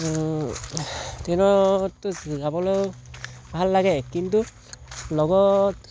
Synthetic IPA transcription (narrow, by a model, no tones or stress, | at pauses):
tinɔtːɔszabɔlo | bʱalːaɡɛkintu | lɔɡɔt